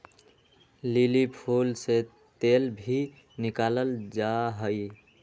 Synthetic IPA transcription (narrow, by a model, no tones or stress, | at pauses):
lilipʰulse | t̪elbʱi | nɪkaləld͡ʒaɦəi